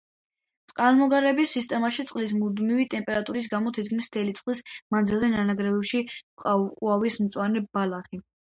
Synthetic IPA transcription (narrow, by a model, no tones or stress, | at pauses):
t̪sʼqʼalˠmɔɡaɾɛbisːist̪ʼɛmaʃit̪sʼqʼlis̬mud̪mivit̪ʼɛmpʼɛɾat̪ʼuɾis̬ɡamɔt̪ʰit̪̚kʰmist̪ʰɛlit̪sʼqʼlismand̪zilˠzɛnanaɡɾɛvɛʃiqʼaqʼuavismt̪sʼwanɛbalaχi